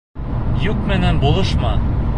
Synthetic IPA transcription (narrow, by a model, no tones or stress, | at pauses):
juq̚mɘnænbulˠɤʃmɑ